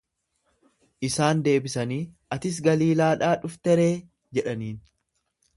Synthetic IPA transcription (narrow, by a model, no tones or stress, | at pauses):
ʔɪsaːnd̪e̞ːbɪsɐniːʔɐt̪ɪs̬ɡɐliːlaːᶑaːᶑʊft̪ɛɾe̞ː | d͡ʒɛᶑɐniːn